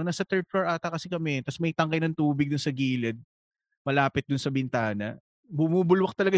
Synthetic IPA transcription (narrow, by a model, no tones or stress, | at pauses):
nasɐt̪ɛɹt̪̚floɹʔaːt̪ɐkɐsɛkɐmɛt̪ɐsmɐjt̪ɐŋkɐjnɐŋt̪uːbɪɡd̪ʊnsɐɡiːlɛd̪̚ | mɐlaːpɪt̪̚d̪ʊnsɐbɪnt̪aːnɐ̰ | bʊmuːbʊlwɐk̚t̪ɐlɐɡa